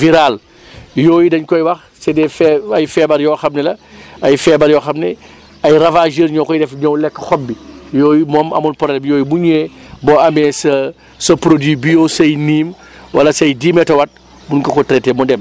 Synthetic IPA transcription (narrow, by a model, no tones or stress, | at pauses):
viɾal | jɔːjidɐɲkɔjwɐx | sɛdɛfɐjfɛbɐɾjɔːxɐmnɛlɐɐjfɛbɐɾjɔxɐmnɛ | ɐjɾɐvaːʒiɾɲɔːkɔjdɛfɲɔwlɛkːxɔb̚bːijɔːjimɔːmɐ̰munpɔɾɛlbjɔːjibuɲeːbɔɐmɛsɐ | sɐpɾodiːbijosɐjniːm | wɐlɐsɐjdiːmɛtɐwɐt̚ | bunkɐkɔtɾɛtɛmɔndɛm